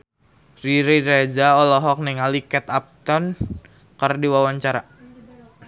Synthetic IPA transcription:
riɾiɾed͡ʒaɔlɔɦɔk̚nɛŋalikɛt̪ap̚t̪ɔn | kərdiwawaɲt͡ʃaɾa

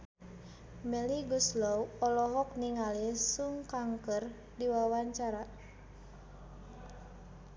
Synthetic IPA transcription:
mɛliɡuslɔwɔlɔɦɔk̚niŋalisuŋkaŋkər | diwawaɲt͡ʃaɾa

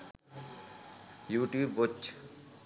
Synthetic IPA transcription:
juːʈjuːbot͡ʃ

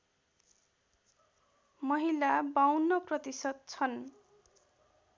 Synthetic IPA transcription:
mʌɦilabawnʌprʌt̪isʌd̪̚t͡sʰʌn

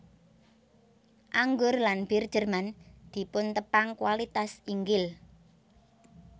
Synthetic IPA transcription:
ʔaŋɡʊrlanb̥erd̥ʒ̥ə̤rmand̪̥i̤pʊnt̪əpaŋkwalit̪asiŋɡɪl

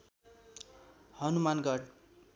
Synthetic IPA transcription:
hʌnumanɡʌɽ

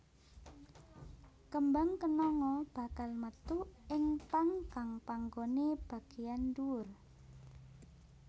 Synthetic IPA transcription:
kəmbaŋkənɔŋɔb̥a̤kalmət̪uɪŋpaŋkaŋpaŋɡoneb̥a̤ɡ̥ejanduʊr

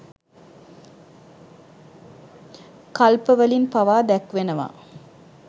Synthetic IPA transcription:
kɐlpəʋəlinpaʋaːd̪ɛkʋenəʋa̰ː

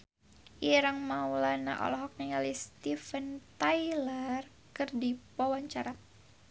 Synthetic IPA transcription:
ʔiɾaŋmaulana̰ʔɔ̰lɔɦɔk̚niŋalist̪ifənt̪ajlər | kɨrdipawaɲt͡ʃaɾa

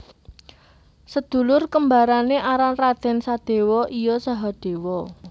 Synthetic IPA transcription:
səd̪̥ṳlʊrkəmbaɾaneʔaɾanrad̪̥ɛ̤nsad̪̥e̤wɔʔijɔsaɦɔd̪̥e̤wɔ

